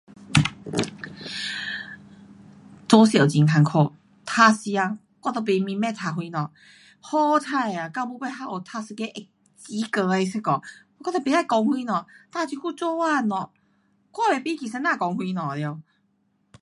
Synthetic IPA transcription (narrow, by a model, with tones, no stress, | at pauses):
t͡sɔ˧˦sjt͡ɕi˨ŋkʰa˧ŋkʰɔ˥˧˨ | t̪ʰa˧si˧a˧ | kwa˧t̪ɔ˧˩pe˧mĩ˧mɛ˥˧t̪ʰa˧ɦwi˧nɔ̃˨ | hɔ˦t͡sʰa˥˧˩ja˨˩ka˧˦bu˧˦pe˥˧˨ɦa˧ʔo˨˩t̪ʰa˧sɨ˧ke˧˦ʔe˧˩k̚ | t͡ɕi˧˦kə˧e˧se˧kɔ˨˩˧ | kwɔ˥˧t̪ɔ˧˩pe˧a˥˧˩jkɔ˧ŋhwi˧nɔ̃˨t̪a˧t͡ɕʰi˧ku˥˧˨t͡so˥˦a˥˧˨nɔ˨˩ | kwa˥˧˨be˨pi˦ki˨˩sa˧nãː˥˧˨kɔ˧ŋhwi˧nɔ̃˨lɛ˧